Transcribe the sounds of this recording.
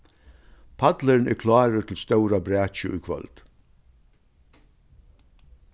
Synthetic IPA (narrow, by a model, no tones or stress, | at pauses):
pʰat̪ləɹnɛ̰kʰlɑːɾət̪ʰɪlst̪œʊɾabɾæːt͡ʃəʊ̰jkʰvœ̰lt̪